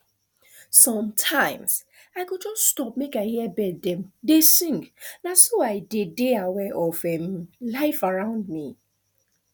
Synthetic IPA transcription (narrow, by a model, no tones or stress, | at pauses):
sɔ̃mtʰãɪ̃ms | aɪkud͡ʒɔststɔp̚mekaɪhiɛbɛdɛ̃mdesĩŋɡnasoaɪdedeaweʔɔvɛ̃mlaɪfaɹãʊ̃ndmi